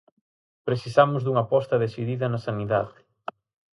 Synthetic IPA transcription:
pɾeθisamʊzðuŋɐpɔst̪ɐðesiðiðɐnɐsaniðaðɪ

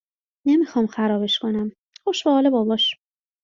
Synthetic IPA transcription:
nemixɒmxæɾɒːbe̞ʃkʰo̞næm | xoʃbehɒːlebɒːbɒʃ

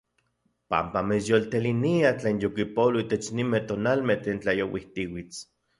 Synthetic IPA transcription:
pa̰mpamet͡sjolt̪eliniat͡ɬeːnjokipoloit̪et͡ʃnimet̪onalmeht̪eːnt͡ɬajowiht̪iwit͡s

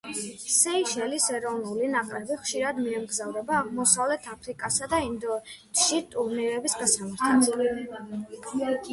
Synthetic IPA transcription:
sɛiʃɛlisɛɾɔvnulinakʼɾɛbiχʃiɾad̪miɛmɡzavɾɛbaːʁmɔsavlɛt̪ʰapʰɾikʼasad̪aind̪ɔɛt̪ʃit̪ʼuɾniɾɛbisɡasamaɾt̪ʰas

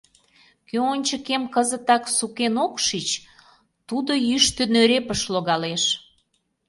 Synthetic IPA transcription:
køonʲt͡ɕəkemkəzət̪ɑksukenokʃit͡ɕ | t̪ud̪ojyʃt̪ønøɾepəʃloɣɑleʃ

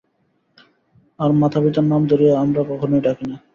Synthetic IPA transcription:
aɾmat̪ʰabit̪aɾnamd̪oɾieamɾakɔkʰonojʈakina

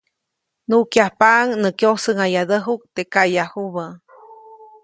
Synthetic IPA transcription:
nuʔkjahpaʔŋnəkjosəŋajad̪əɦuk̚t̪ekajahuβə

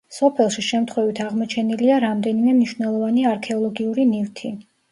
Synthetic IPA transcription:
sɔpʰɛlˠʃiʃɛmt̪ʰχwɛvit̪ʰaʁmɔt͡ʃʰɛniliaɾamd̪ɛnimɛmniʃvnɛlˠɔvaniaɾkʰɛɔlˠɔɡiuɾinivt̪ʰi

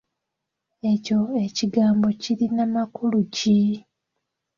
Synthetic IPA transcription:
e̞co̞e̞ciɡaːmbo̞ciɾinamakuluci

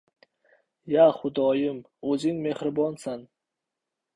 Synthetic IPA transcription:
jaχʊd̪ɒjɪm | ɵzɪŋmehɾɪbɒnsan

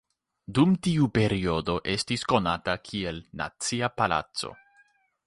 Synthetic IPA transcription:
dumtiupe̞ɾio̞do̞ʔe̞stisko̞natakʰie̞lna̰t͡siapala̰t͡so̞̰

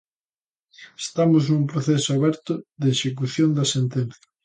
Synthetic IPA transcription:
est̪amoznumpɾoθesʊaβɛɾt̪ʊðeeʃek̬uθjond̪ɐsent̪en̟θjɐ̥

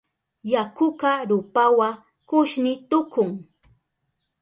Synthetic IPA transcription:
jakʊkaɾʊpawa | kʊʃnɪt̪ʊkʊŋ

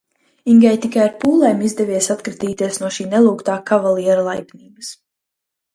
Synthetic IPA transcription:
iŋɡʲɛjt̪ikajaɾpuːlˠɛjmizd̪ɛviɛsat̪kɾit̪iːt̪iɛsnuɔʃiːnɛlˠuːkt̪aːkavalˠiɛɾalˠajbniːbɐs

